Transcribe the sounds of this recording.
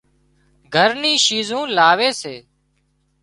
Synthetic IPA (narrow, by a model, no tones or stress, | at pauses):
ɡʱəɾnĩːʃiːzõːlaːʋeːseː